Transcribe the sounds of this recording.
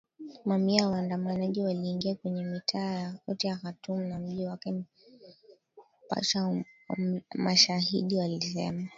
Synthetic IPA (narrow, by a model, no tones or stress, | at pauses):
mamiawaːndamanaʄiwaliːŋɡiakwɛɲɛmitʰaːjakɔtijaxatum̩nam̩ʄiwakɛ | pa̰ʃa | maʃahḭɗiwalisɛ̰ma